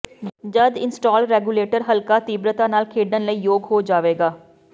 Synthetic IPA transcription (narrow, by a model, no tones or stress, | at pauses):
d͡ʒəd̪ɪnsʈaːlɾɛːɡuːleːʈəɾɦəlkaːt̪iːbɾət̪ãːnaːlkʰeːɖənləiːjoːɡɦoːd͡ʒaːʋeːɡaː